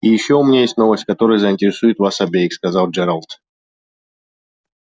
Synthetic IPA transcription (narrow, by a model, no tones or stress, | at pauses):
ijɪɕːoʊmʲɪnʲajesʲtʲno̞vəsʲtʲkɐt̪o̞ɾəjzəɪnʲtʲɪɾʲɪsujɪt̪vasɐbʲejɪkskɐzalˠd͡ʒɛɾalˠt̪